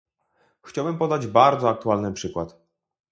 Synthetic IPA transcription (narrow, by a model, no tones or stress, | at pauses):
xt͡ɕawbɘmpɔd̪ad͡ʑbaɾd̪zɔak̚t̪ualnɘpʂɘkwat̪